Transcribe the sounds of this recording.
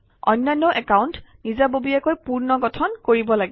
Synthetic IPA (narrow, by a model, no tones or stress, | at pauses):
ɔ̰jnːajnːɔʔɛkaʊntnizabobiakojpuɹnɔɡɔtʰɔnkoɹibɔlaɡɛ